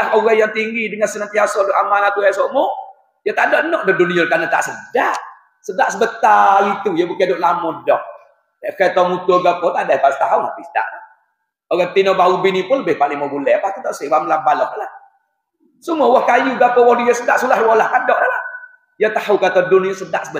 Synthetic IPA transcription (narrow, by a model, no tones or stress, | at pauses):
lahoɣajaŋt̪iŋɡidəŋansənant̪iasɔdoʔamanat̪uasɔʔmɔ | jət̪adɔʔnɔʔ̚dɔduniolkanət̪a̰ʔsədaʔ | sədaʔsəbət̪alit̪ujəbukidoʔlamɔdɔʔ̚ | daʔkat̪ɔmut̪oɡapɔt̪adapast̪aɦuna̰t̪isəda̰ʔla | oɡat̪inɔbaubinipʊnləbɪhpaliŋmobulɛapat̪ut̪aʔsewaməlambalɔʔəlah | səmuɔwɔhkajuɡapɔwɔhdujəsədaʔsulahwɔlahkadɔʔəlah | jət̪aɦukat̪ɔdunijosədaʔsəbə